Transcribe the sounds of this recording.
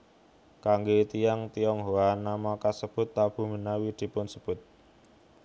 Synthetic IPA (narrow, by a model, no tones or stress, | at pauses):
kaŋɡet̪ijaŋt̪ijɔŋɦoanamɔkasəb̥ʊ̤t̪ːab̥ṳmənawid̪̥i̤pʊnsəb̥ʊ̤t̪̚